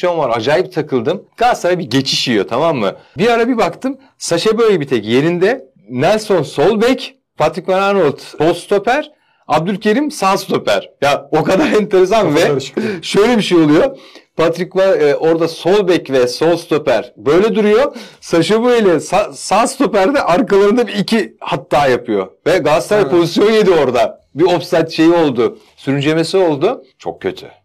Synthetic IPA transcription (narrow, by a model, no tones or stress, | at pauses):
ʃanvaɾad͡ʒaːjip̚t̪ʰakʰɯlˠd̪ɯmɡ̥asaɾabiɟe̞t͡ʃʰiʃijo̞t̪ʰamamːɯ̰biɾaɾabibakt̪ʰɯm | saʃabøjbit̪ʰɛcje̞ɾind̪ɛ | nælʲso̞nso̞lˠbɛc | pʰat̪ɾikvaɾanolˠt̪o̞lˠst̪ʰo̞pæɾ̥ | ab̚d̪ylʲcʰeɾimsast̪ʰo̞pæ̰ɾ̥jao̞kad̪aɾɛnt̪ʰe̞ɾes̬anvɛʃø̞jlʲebiʃejo̞lˠujo̞pʰat̪ɾicvaʔo̞ɾd̪aso̞lˠbɛcvɛso̞lˠst̪o̞pæɾ̥bø̞jlʲɛd̪uɾujo̞saʃabɯilʲɛsasast̪ʰo̞pæɾd̪ɛʔaɾkalˠaɾɯnd̪abiːcʰihat̪ʰːaːjapʰɯjo̞̰vɛɡast̪ʰaɾpʰo̞zisjo̞nje̞d̪io̞ɾd̪abiofsajt̪ʃe̞jio̞lˠd̪ʊ | syɾynd͡ʒe̞me̞sio̞lˠd̪ʊt͡ʃʰo̞̰k̚cʰːøt̪ʰy̥̰